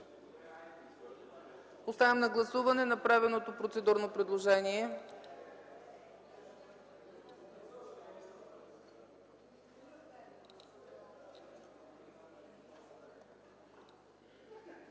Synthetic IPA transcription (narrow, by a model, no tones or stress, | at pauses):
ost̪avɛmnɐɡlˠɐsuvɐnɛnɐpɾavɛnot̪opɾot̪sɛd̪uɾnopɾɛd̪lˠoʒɛniɛ